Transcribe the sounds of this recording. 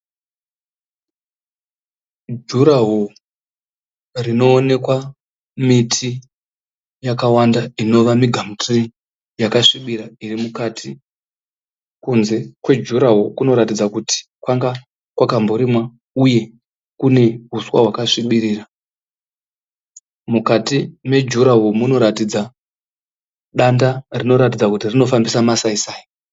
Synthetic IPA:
d͡ʒuɾaɦo | rino̞ːne̞kwa | mitʰi | jakawandaino̞ʋamiɡʱam̩tri | jakaʂiɓiɾairimukatʰi | kunze̞kwe̞d͡ʒuɾaɦokuno̞ɾatid͡zakuti̥ | kwaŋɡa | kwakamboɾimwa | uje̞ | kune̞ɦuswa̰ɦwakaʂiɓiriːra | mukatime̞d͡ʒuɾaɦomuno̞ɾatid͡za | ɗandarino̞ɾatid͡zakutirino̞fambisamasaisaːjo

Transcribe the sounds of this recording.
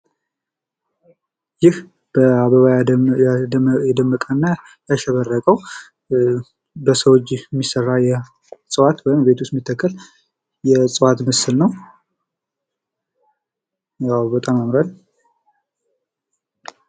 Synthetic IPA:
jɪh | b̥əaβəβa | jɛd̪əmːəkʼənːa | jaʃɛβərːəkʼəw | bəsəwot͡ʃːɪhmːisərːajɛ | sʼɨwat̪wɔjɪmbe̞t̪ʰust̪mit̪ʰːəkːəl | jɛsʼɨwat̪məsɨlnəw | jawbət̪ʼamamɾal

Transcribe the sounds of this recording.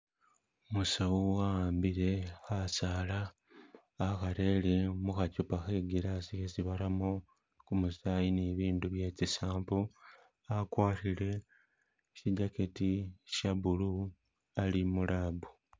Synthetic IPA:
omusawuawaːmbiɾe̞xasaːlaː | xaɾe̞ːlemuxacupaxeɡiɾasixesiβaɾamo | kumusaːjineβiːnduβje̞ːcisaːmpu | akwaːtile̞ | ʃiɟaketiʃabulu | alimulaːbu

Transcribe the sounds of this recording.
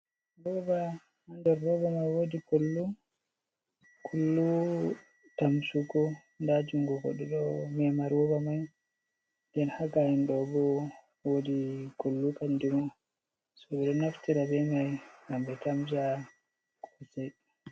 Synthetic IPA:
ɾɔba | andɛɾːɔbamajwodiɡolːu | kʰulːu | tamsukɔ | ndad͡ʒuŋɡɔɡɔɗɛɗɔmɛmaɾɔbamaj | ndɛnhaɡahinɗɔbɔ | wodiɡolːukandimɔ | sɔbɛɗɔnaftiɾabɛmajɡambɛtamd͡ʒa | kʰɔsɛj

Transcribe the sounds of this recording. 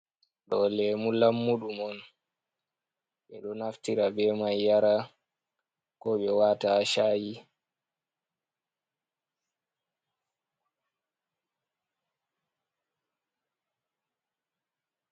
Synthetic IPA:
ɗɔlɛmulamːuɗumɔn | ɓɛɗɔnaftiɾabɛmajːaɾa | kɔɓɛwataʃaji

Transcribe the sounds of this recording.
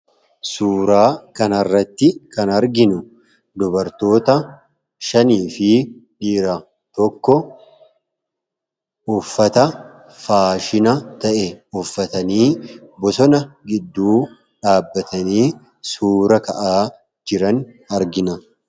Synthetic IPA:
suːɾaːkɐnɐrːɐt̪ːɪkɐnɐɾɡɪnʊ | d̪ɔbɐɾt̪o̞ːt̪ɐ | ʃɐniːfɪᶑiːɾɐ | t̪ɔkːɔ | ʊfːɐt̪ɐ | faːʃɪnɐt̪ɐʔɛʊfːɐt̪ɐniːbɔsɔnɐɡɪd̪ːuː | ᶑaːbːɐt̪ɐniː | suːɾɐkɐʔaː | d͡ʒɪɾɐn | ɐɾɡɪnɐ

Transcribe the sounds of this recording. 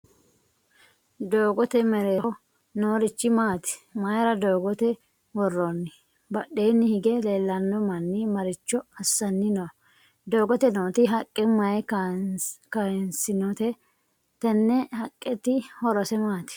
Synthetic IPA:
d̪oːɡɔt̪ɛmɛɾe | noːɾɪt͡ʃːɪmaːt̪ɪ̥mɐjɾɐd̪oːɡɔt̪ɛ | wɔrːonːɪ | bɐɗeːnːɪhɪɡɛle̞ːlːɐnːɔmɐnːɪmɐɾɪt͡ʃːɔɐsːɐnːɪnɔ | d̪o̞ːɡɔt̪ɛnoːt̪ɪɦɐkʼːɛmɐj | kɐnsɪnɔt̪ɛ | t̪ɛnːɛhɐkʼːɛt̪ɪhɔɾɔsɛmaːt̪ɪ̥

